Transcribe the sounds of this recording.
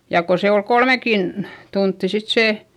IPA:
jɑ ko se ol kolmekin tuntːi sit seˑ

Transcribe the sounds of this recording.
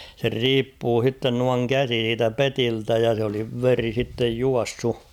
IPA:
ser riːpːuː h̞itːen nuɑŋ kæsi siːtæ petiltæ jɑ sĕ oli ʋeri sitːej juɑsːu

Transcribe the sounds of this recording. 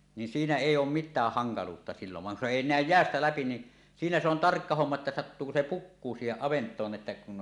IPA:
nin siːnæ eˑijˑ oːm mitˑæːh hɑŋkɑluːtːɑ silːoʋ ʋɑŋ kun se eˑi næˑøj jeæstæ læpi ni siːnæ se on tɑrkːɑ homːɑ etːæ sɑtːuːko se pukːuː siːheʔ ʔɑʋentˑoːn ʔetːæ kun

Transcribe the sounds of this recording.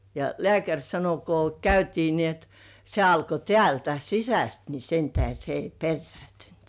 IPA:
jɑ lĕæˑkærʲ sɑno ko kæytiː ni et se ɑlko tĕæˑltæ sisæst ni sentæhe se ei perːĕæˑntynt

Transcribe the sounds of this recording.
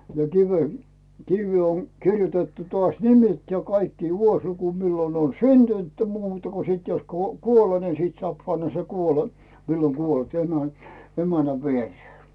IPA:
jɑ kiʋe kiʋːeː on kirjutetːu toɑˑsʲ nimet jɑ kɑikːi ʋuosluku milːo on syntynt muːtɑ ko siˑt jos kuo kuole ni siˑt soɑˑp pɑnːɑ sen kuole milːo kuolt emæ emænæ ʋiereː

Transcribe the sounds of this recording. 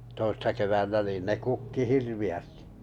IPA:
toisːɑ keʋænːæ niːn ne kukːi hirʋiæsti̥

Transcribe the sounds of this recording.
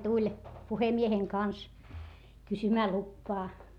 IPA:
tulʲ puhemieheŋ kɑns kysymæː lupːɑː

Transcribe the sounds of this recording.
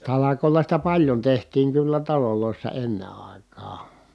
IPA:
tɑlɑkoˑi̯lɑ sitæ pɑljon tehtiːŋ kylːæ tɑloloˑisːɑ enːe ɑˑi̯kˑɑː

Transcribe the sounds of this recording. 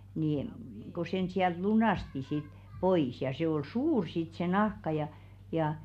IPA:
niˑ m ko sen siælt lunɑˑsti sit pois jɑ seˑ ol suːr sit se nɑhkɑ jɑ jɑ

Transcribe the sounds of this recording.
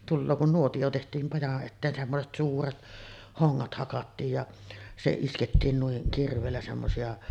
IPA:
tulːoː kun nuotij̆o tehtˑiːm mɑjɑʔ ʔetːeːn semːoset suːret hoŋːɑt hɑkɑtːiːj jɑ se isketːiːn nuiŋ kirʋˑeːlːæ semːosiɑ

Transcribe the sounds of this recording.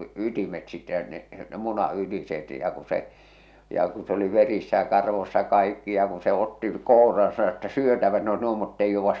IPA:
ytimet sitːe jɑ ne ne munɑ ytiset jɑ ku se jɑ ku se oli ʋerisːæ jɑ kɑrʋosːɑ kɑikːi jɑ ku se otːi kourɑːn sɑno etːæ syøtæʋæt ne oes nuo mutːeij jouʋːɑs

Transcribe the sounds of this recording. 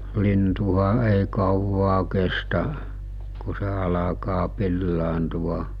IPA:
lintuhɑ ei kɑuwɑː kestæ ku se ɑlɑkɑː pilːɑːntuʋɑ

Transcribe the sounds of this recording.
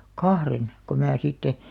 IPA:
kɑhren ko mæː sitːe

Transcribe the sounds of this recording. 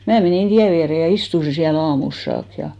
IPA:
mæː meniˑn tiæ ʋiære jɑ istusi siæl ɑːmuls sɑːk jɑ

